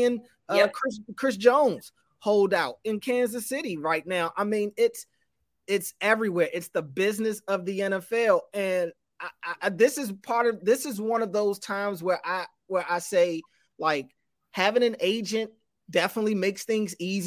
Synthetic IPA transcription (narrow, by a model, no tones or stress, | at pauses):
ɨ̃n | ʌkʰɹ̥ɪskʰɹ̥ɪs̬d̥ʒ̥õʊ̃nz̥ | hoʊlˠdaʊɾ̚ɨ̃nkʰæ̃nzɨsɪɾiɹaɪtⁿnaʊʔaɪmĩnɪts | ɪtsɛvɹiwɛɹʔɨtsðəbɪznɨsʌvðiɛ̃ñɛfɛlˠɨ̃n | aɪʔʌðɪsɨzpʰɑɹɾʌvðɪsɨzwʌ̃nʌvðoʊz̥tʰãɪ̃mzwə˞ʔaɪ | wə˞ʔaɪseɪ | laɪk | hævɪ̃ŋɨ̃neɪd͡ʒɨ̃nt̚ | d̥ɛfənətˡlimeɪksθɪ̃ŋziz